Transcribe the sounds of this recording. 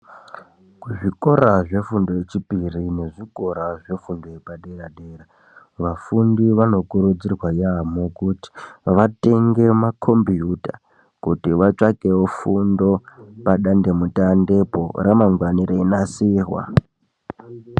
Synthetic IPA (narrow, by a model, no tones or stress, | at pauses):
kuʐiko̞ɾaʐe̞fundo̞jet͡ʃipirine̞ʐiko̞ɾaʐe̞fundo̞jepaɗeɾaɗeːra | ʋafundiʋano̞kuɾud͡zirwajamokuti̥ʋate̞ŋɡe̞makʰo̞mbijuta | kutiʋat͡ʂakewofundopaɗande̞mutande̞po̞̰ɾamaŋɡwaniɾeinasiːrwa̰